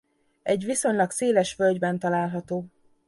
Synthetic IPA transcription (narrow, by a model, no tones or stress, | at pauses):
ɛɟʋiso̞ɲlɒkseːlɛʃfølɟbɛnt̪ɒlaːlɦɒt̪oː